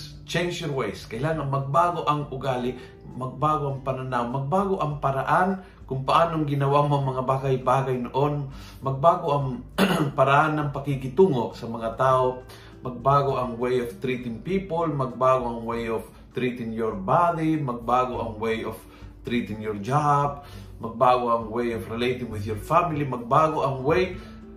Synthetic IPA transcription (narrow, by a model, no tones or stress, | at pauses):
t͡ʃɛnsɛɾwejskɐʔɪlaːŋɐmɐɡ̚baːɡoʔɐŋʔʊɡaːlɪ | mɐɡ̚baːɡoʔɐŋpɐnɐnawmɐɡ̚baːɡoʔɐŋpɐɾaʔan | kʊŋpɐʔaːnoŋɡɪnɐwamoʔɐŋmɐŋabaːɡɐjbaːɡɐjnoʔon | mɐɡ̚baːɡoʔɐŋpɐɾaʔanːɐŋpɐkɪkɪt̪uːŋoksɐmɐŋat̪aːʔo | mɐɡ̚baːɡoʔɐŋwɛjoft̪ɾit̪ɪŋpipolmɐɡ̚baːɡoʔɐŋwejɔf | t̪ɾit̪ɪŋjoɹbad̪imɐɡ̚baːɡoʔɐŋwejɔf | t̪ɾit̪ɪŋjɔɹd͡ʒap̚mɐɡ̚baːɡoʔɐŋwɛjɔfɾɪlejt̪ɪŋwɪðjɔɹfamɪlimɐɡ̚baːɡoʔɐŋwɛj